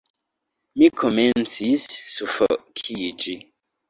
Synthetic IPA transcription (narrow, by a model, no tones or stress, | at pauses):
mikʰɔmɛnsisːufəʔkʰid͡ʒi